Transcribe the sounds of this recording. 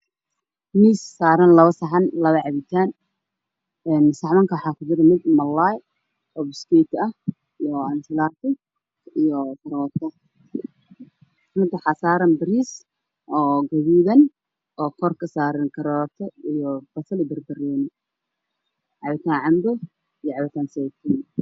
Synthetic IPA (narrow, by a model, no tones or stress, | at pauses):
miːsːaːɾɐnlɐβɐsɐħɑnlɐβɐʕɑβɪt̪ʰaːn | ɛnsɑʕmɐŋkʰɐwħɑːkʰʊd͡ʒɪɾɐmɪd̪mɐlaj | ɔbɪskɛt̪ʰɐh | ijɔɐnfɪlaːt̪ɪ | ijɔt̪ʰɐɾɔːt̪ʰɐ | rʊnt̪ʰɐwħɑːsaːɾɐmbɪɾiːs | ʔɔːɡɐβiːðɐn | ʔɔːkʰɔrkʰɐsaːɾɪnkʰɐɾɔːt̪ʰɔijɔb̥ɐsɐlɪbɐrbɐrɛːnɪ | ʕɑβɪt̪ʰaːnʕɑmbɔ | ijɔʕɑβɪt̪ʰaːnsɛt̪ʰɪn